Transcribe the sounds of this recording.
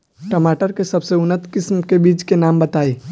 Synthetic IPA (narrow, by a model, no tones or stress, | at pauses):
ʈəmaʈəɾkesəbseʊnət̪kɪsmkebiːd͡ʒkenambət̪ai